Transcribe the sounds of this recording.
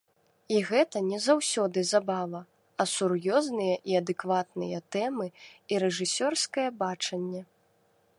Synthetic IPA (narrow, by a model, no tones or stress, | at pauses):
iɣɛt̪ɐnʲɛzawsʲɔd̪ɨzabavɐ | ɐsurjɔznɨjɐʔiɐd̪ɛkvat̪̚nɨjɐt̪ɛmɨiɾɛʐɨsʲɔrskɐjɐbat͡ʂɐnʲːɛ